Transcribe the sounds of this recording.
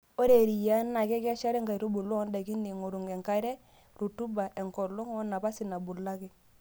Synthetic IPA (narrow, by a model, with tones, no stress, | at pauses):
o˦ɾe˨ɾi˨ja˦nːa˨kɛ˦ka˦ʃa˦ɾɛ˦ŋɡa˨ɾo˦bu˨lɔ˦n˦da˨ki˦ni˨ŋo˨ɾu˨ŋɡɛ˨ŋka˦ɾɛ˦ | ɾu˨tu˦ba˨ʔɛ˨ŋkɔ˨lo˦ŋɔ˦na˨pa˦si˨na˨bu˨la˦ki˦